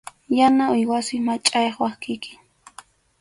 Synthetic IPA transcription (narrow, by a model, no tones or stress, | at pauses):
janaʊjwasɪmat͡ʃʼajχwakɪkɪ̥